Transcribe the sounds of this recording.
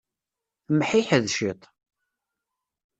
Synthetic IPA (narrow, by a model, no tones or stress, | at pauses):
mħiħəðʃit̪ˤ